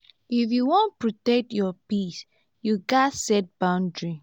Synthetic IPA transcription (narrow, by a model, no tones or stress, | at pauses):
ifjuwɔ̃n̚pɹɔtɛk̚tjɔpis | juɡasɛt̚b̥ãʊ̃ndɹi